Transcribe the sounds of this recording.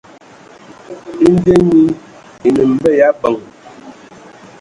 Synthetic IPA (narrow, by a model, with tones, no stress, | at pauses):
i˦n˦de˦ɲi˦ | i˨nə˨m̩˨bə˦˨ja˨˦bə˨ŋ